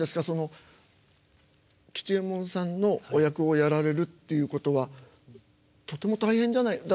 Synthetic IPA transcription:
d̪e̞sɨ̥ɡaso̞no̞ | kʲi̥t͡ɕiẽ̞mːõ̞ɰ̃sãnːo̞ːjakɯ̟ojaɾaɾe̞ɾɯ̟t̪ːe̞jɯ̟ːko̞t̪o̞βa | t̪o̞t̪ːe̞mo̞t̪aihẽɲ̟d͡ʑanaid̪a

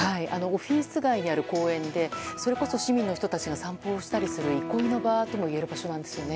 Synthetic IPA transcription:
haiʔa̰no̞ːɸʲiːsɨɡaiɲ̟iaɾɯ̟ko̞ːẽ̞nd̪e̞so̞ɾe̞ko̞so̞ɕimʲĩnːo̞çi̥t̪o̞t̪at͡ɕiɡasãmpo̞ːɕi̥t̪aɾʲisɨɾɯ̟ikoino̞bat̪o̞mo̞ie̞ɾɯ̟baɕo̞nãnd̪e̞sɨjo̞ne̞

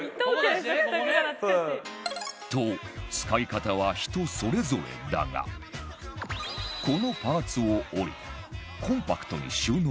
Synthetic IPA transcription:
t̪ot͡sɨ̥kaikat̪aβaçi̥t̪o̞so̞ɾe̞zo̞ɾe̞̰d̪a̰ɡa̰ | ko̞no̞paːt͡sɨooɾḭ | kʰõ̞mpakɯ̥t̪o̞̰ɲ̟ḭɕɨːn

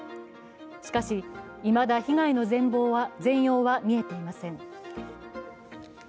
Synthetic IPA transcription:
ɕi̥kaɕi | imad̪açiɡaino̞zẽ̞mbo̞ːβazẽ̞ɰ̃jo̞ːβamʲie̞t̪e̞imasẽ̞ŋ

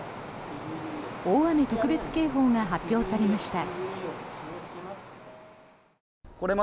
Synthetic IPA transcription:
oːβamet̪o̞kɯ̟be̞t͡sɨ̥ke̞ːɦo̞ːŋaɦapʲːjo̞ːsaɾe̞maɕi̥t̪a | ko̞ɾe̞ma

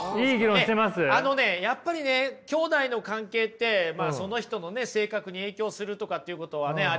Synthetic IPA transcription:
iːɡʲiɾõɕt̪emasɨano̞ne̞japːaɾʲine̞kʲo̞ːd̪aino̞kãŋke̞ːt̪ːe̞maːso̞no̞çi̥t̪o̞no̞ne̞se̞ːkakɯ̟ɲ̟ie̞ːkʲo̞ːsɨɾɯ̟t̪o̞kat̪ːeiɯ̟ko̞t̪o̞βane̞a

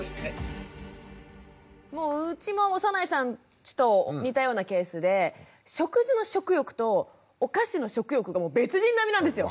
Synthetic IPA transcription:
mo̞ːɯt͡ɕimo̞osanaisãn | t͡ɕi̥t̪o̞ɲ̟it̪ajo̞ːnake̞ːsɨd̪e̞ | ɕo̞kɯ̟zɨno̞ɕo̞kɯ̟jo̞kɯ̟̥t̪o̞ː | kaɕino̞ɕo̞kɯ̟jo̞kɯ̟ɡamo̞ːbe̞t͡sɨʑĩnːamʲinãnd̪esɨjo̞

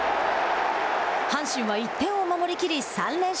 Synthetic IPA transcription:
hãɰ̃ɕɨ̃ɰ̃βait̪ːẽ̞ɰ̃o̞mamo̞ɾʲikʲiɾʲisãnːẽ̞

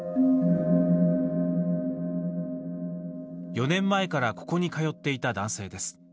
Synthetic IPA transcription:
jo̞nẽ̞mːaekaɾako̞̥ko̞ɲ̟ikajo̞t̪ːe̞it̪ad̪ãɰ̃se̞ːd̪e̞sɨ̥

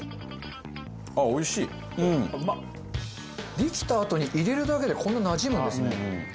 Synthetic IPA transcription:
ao̞iɕiː | ɯ̟̃ɴma | ɾʲikʲi̥t̪aːt̪o̞ɲ̟iʔiɾe̞ɾɯ̟d̪ake̞d̪e̞kʰõ̞nːanaʑimɯd̪esɨne

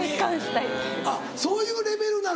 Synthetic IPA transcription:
kãɕinaid̪esa | so̞ːjɯːɾe̞be̞ɾɯ̟na

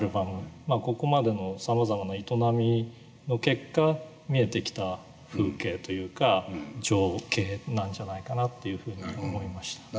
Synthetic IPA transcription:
aɾɯ̟bamɯ̟maːko̞ko̞mad̪e̞no̞samazamanait̪o̞namʲi | no̞ke̞kːa | mʲie̞t̪e̞kʲi̥t̪a | ɸɯ̟ːke̞ːt̪o̞jɯ̟ːkad͡ʑo̞ːkʰe̞ːnãɲ̟d͡ʑanaikanat̪ːe̞jɯ̟ɸɯ̟ːɲ̟io̞mo̞imaɕi̥t̪ḁ

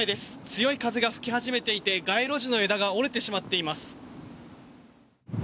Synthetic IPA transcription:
id̪e̞sɨ̥t͡sɨjo̞ikazɨɡaɸɯ̟̥kʲihaʑime̞t̪e̞it̪e̞ɡaiɾo̞ʑino̞e̞d̪aɡao̞ɾet̪e̞ɕimat̪ːe̞imasɨ̥

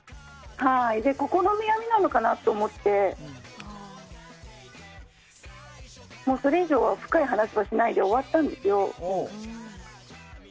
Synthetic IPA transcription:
haid̪e̞ko̞ko̞no̞mijamʲinano̞kanat̪ːo̞ːmo̞t̪ːe̞ | mo̞ːso̞ɾe̞iʑo̞ːβaɸɯ̟̥kaiɦanaɕiβaɕinaid̪e̞o̞βat̪ːãnd̪e̞sɨjo̞

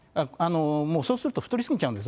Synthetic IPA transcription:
aanomoːsoːsɯɾɯt̪oɸɯ̥t̪oɾisɨŋiɲt͡ɕaɯ̃nd̪es̬

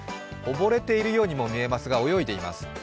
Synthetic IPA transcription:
o̞bo̞ɾe̞t̪e̞iɾɯ̟jo̞ːɲ̟imo̞mʲie̞masɨɡao̞jo̞id̪e̞ima̰sɨ̥

